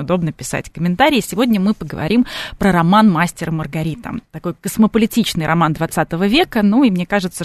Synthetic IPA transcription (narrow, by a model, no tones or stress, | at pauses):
ʊd̪o̞bnəpʲɪsa̰tʲkəmʲɪnt̪aɾʲɪɪsʲɪvodʲnʲəmɨpəɡəvɐ̰ɾʲimpɾəɾɐmanmasʲtʲɪɾəmərɡɐɾʲit̪ə̰mt̪ɐko̞jkəsməpəlʲɪtʲit͡ɕnɨjɾʔɐmand̪vɐt̪sat̪əvəvʲe̞kənuimnʲe̞kaʐɨt̪sə